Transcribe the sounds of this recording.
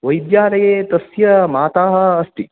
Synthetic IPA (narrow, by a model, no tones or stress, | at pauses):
ʋɐjd̪jaːɾɐjeːt̪ɐsjɐmaːt̪aːɦɐːsʈ̪i